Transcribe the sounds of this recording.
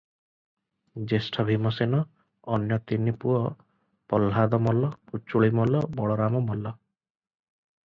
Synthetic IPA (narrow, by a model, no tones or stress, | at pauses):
d͡ʒesʈʰɔbʱimɔsenɔː | njɔt̪inipuɔ | pɔlɦad̪ɔmɔlɔput͡ʃːuɭimɔlɔbɔɭɔɾamɔmɔlɔ